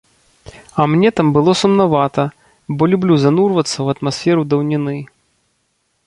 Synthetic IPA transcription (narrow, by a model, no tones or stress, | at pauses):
ɐmnʲɛt̪ambɨlˠɔsumnavat̪ɐ | bɔlʲublʲuzanurvɐt̪sːɐwɐt̪masʲfʲɛɾud̪ɐwnʲinɨ